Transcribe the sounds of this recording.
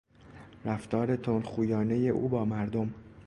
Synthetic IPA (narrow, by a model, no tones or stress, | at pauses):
ɾæft̪ʰɒːɾe̞t̪ʰonxuːjɒːne̞je̞ʔṵːbɒːmæɾd̪o̞m